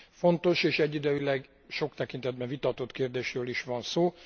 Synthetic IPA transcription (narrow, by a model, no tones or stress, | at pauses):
fo̞nt̪o̞ʃeːʃɛɟːid̪øjilɛɡ | ʃo̞kt̪ɛkint̪ɛd̪̚bɛɱvit̪ɒt̪o̞t̪keːrd̪eːʃrøːliʃʋɒnsoː